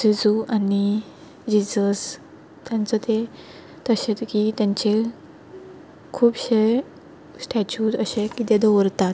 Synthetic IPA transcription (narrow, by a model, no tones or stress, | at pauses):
sid͡zuʔani | d͡ʑid͡zəs | t̪jãnt͡sət̪e | t̪əɕet̪kit̪jãɲt͡ɕe | kʰuːpɕe | sʈɛt͡ɕut̪əɕekit̪ed̪owɾt̪at̪